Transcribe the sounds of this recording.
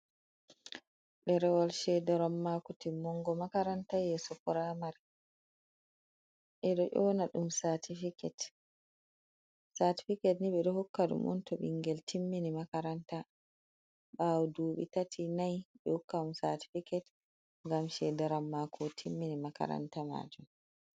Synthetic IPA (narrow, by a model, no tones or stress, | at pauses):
ɗɛɾɛwalʃɛdaɾamːakutimːɔŋɡɔmakaɾantajɛsɔkɔɾamaɾ | ʔɛɗɔʔɔnaɗumsatʰifikɛt | sati̥fikɛtniɓɛɗɔhɔkːaɗṵmʔɔ̰ntɔɓḭŋɡɛltʰimːinimakaɾanta | ɓawɔduːɓḭtatʰinajɓɛhukːaumsati̥fikɛt | ŋɡamʃɛdaɾamːakʰɔtʰimːinimaka̰ɾa̰ntama̰d͡ʒum